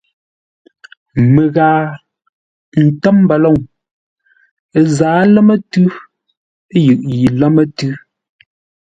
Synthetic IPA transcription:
me˨ɣaː˨ | n̩˨tɛ˦m˦ba˨lɔ˦˨ŋ | e˨zaː˨˦lɛ˦mə˦tʉ˦ | e˦jʉ˨ʔji˨la˦mə˦tʉ˦

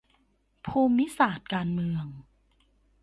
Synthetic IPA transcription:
pʰuː˧mːi˦˥saː˨˩t̪̚kaː˧nmɯ˧əŋ

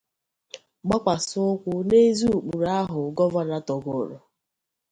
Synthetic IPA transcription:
ɡ͡ba˦kʷa˨sʊ˦ʊ˦kʷʊ˦ne˦zu˦˨k͡pu˨ɾa˦ɦʊ˨ɡɔ˦va˦na˦tɔ˨ɡʊ˨ɾʊ˨

